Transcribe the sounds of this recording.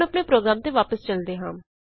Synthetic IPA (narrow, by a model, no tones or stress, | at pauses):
əpneːpɾoːɡɾaːmt̪eːʋaːpəst͡ʃəld̪eːɦãːm